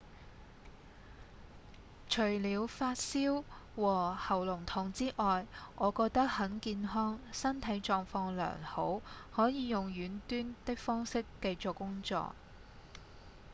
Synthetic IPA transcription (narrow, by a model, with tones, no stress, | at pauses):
t͡ʃʰɵ˨˩ɥliː˨˧wfaː˧t̚siː˥wwɔː˨˩hɐ˨˩wlʊ˨˩ŋt̪ʰʊː˨˩ŋt͡siː˥ʔɔː˨jʔɔː˨˧kɔː˧k̚t̪ɐ˥k̚hɐ˨˥nkiː˧nɦɔː˥ŋsɐ˥nt̪ʰɐ˨˥jt͡ʃɔː˧ŋfɔː˧ŋlœ̰ː˨˩ŋho˨˥whɔː˨˥jiː˨˧jʊ˨ŋjyː˨˥nt̪yː˥nt̪ɪ˥k̚fɔː˥ŋsɪ˥kːɐ˧jt͡sɔ˨˩kːʊ˥ŋt͡ʃɔ̰ː˧˨k̚